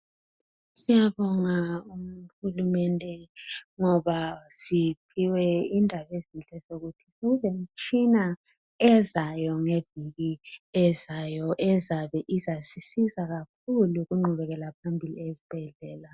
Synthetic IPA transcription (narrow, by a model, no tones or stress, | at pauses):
sijaβɔŋaum̩hulumɛndʱɛŋɔβasipʰiwɛindʱaβezint͡ɬʼɛzoɣutʰiseɣuzem̩t͡ʃʼina | ɛzajɔŋeviɣiɛzajɔʔɛzaβɛʔizasisizaɣak̚ʰuluɣuŋ͡ǃʱuβɛɣɛlapʰambʱilḭezib̥ʱɛɮɛːla